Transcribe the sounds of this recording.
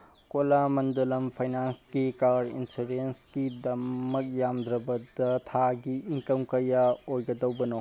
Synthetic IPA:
kolamɐndɐlɐmpʰajnanskikaɾdḭnsuɾenskidɐmɐk̚jamd̪ɾɐbɐdɐtʰaɡiʔiŋkɐmkɐjaojɡɐdɐwbɐno

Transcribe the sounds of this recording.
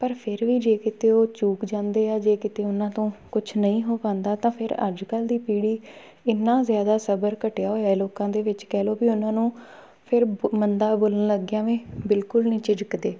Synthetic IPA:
pəɾpʰɪɾʋiːd͡ʒeːkɪt̪eːoːt͡ʃuːkd͡ʒãːnd̪eːaːd͡ʒeːkɪt̪eːʊnãːt̪õːkʊt͡ʃʰnəĩːɦoːpãːnd̪aːt̪ãːpʰɪɾə̰d͡ʒkəld̪iːpiːɽiː | ɪnːãːzjaːd̪aːsəbəɾkəʈejaːɦoːjaːɛloːkãːd̪eːʋɪt͡ʃkɛːloːbiːʊnãːnũː | pʰɪɾmənd̪aːboːlənləɡjãːʋẽːbɪlkʊlnĩːt͡ʃɪd͡ʒəkd̪eː

